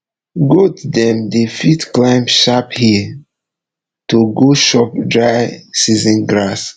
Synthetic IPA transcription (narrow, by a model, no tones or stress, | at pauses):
ɡotdɛ̃mdefitklãɪ̃mʃaphi | tuɡoʃɔp̚dɹajsizə̃nɡɹas